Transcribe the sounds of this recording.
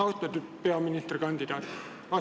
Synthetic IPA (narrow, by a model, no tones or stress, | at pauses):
ɑust̪ɑt̪ypeɑmːinist̪erkɑnd̪id̪ɑːt̪ | ɑ